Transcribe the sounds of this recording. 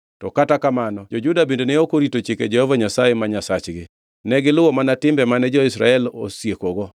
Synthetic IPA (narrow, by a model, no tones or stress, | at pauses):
tɔkatakamanɔd͡ʒod͡ʒudabendeneokoɾitot͡ʃeked͡ʒɛhovaɲasajɛmaɲasat͡ʃɡɪ | nɛɡɪlʊwɔmanatɪmbɛmanɛd͡ʒɔɪsɾa̰ɛlo̰sjekoɡɔ